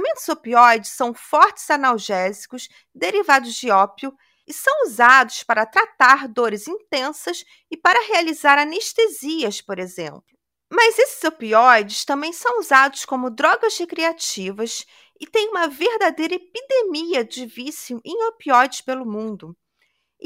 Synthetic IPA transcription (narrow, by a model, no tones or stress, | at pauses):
mẽnt̪ʊzopiɔjd͡ʒɪsɐ̃w̃fɔɾt͡ʃɪ̥z̥anawʒɛzikʊs | d̪eɾivad̪ʊzd͡ʒɪɔpjʊ | ɪsɐ̃w̃uzad̪ʊspaɾɐt̪ɾat̪aɾd̪oɾɪzĩt̪ẽsɐs | ɪpaɾɐɦealizaɾaneʃt̪eziɐspoɾezḛ̃mplʊ | mɐzesɪ̥zopiɔjd͡ʒɪst̪ɐ̃mbẽj̃sɐ̃w̃uzad̪ʊskõmʊd̪ɾɔɡɐzhekɾiat͡ʃivɐs | ɪt̪ẽj̃ũmɐveɾd̪ad̪ejɾɐepid̪emiɐd͡ʒɪvisiuʔẽj̃opiɔjd͡ʒɪspelʊmũnd̪ʊ